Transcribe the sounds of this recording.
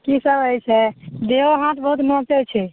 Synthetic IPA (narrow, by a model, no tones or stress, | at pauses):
kisəbəjsʰɛd̪eoɦãt̪bəɦut̪mɔt̪et͡ʃʰɛ